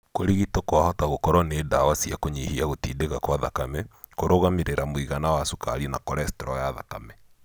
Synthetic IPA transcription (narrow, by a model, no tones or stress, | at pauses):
koɾiɣitokoahɔtaɣokɔɾwɔneːdawasiakoɲihiaɣotiːdeɣakwaðakamɛ | koɾoɣameɾeɾamoiɣanawasuka̰ɾinakɔɾɛstɛɾɔjaða̰kamɛ